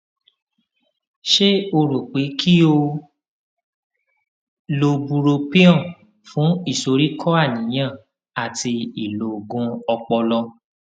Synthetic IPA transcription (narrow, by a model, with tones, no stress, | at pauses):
ʃe˦o˧ɾu˨k͡pe˨˦kʰi˦o˧ | lo˨bu˧ɾo˧pi˦ɔ̃˦˨ | fũ˨˦i˦˨so˧ɾi˦kʰɔ˦a˦˨nĩ˨˦j̃ã˦˨ | a˨tʰi˧i˨lo˨ɡũ˧˦ɔ˧k͡pɔ˧lɔ˧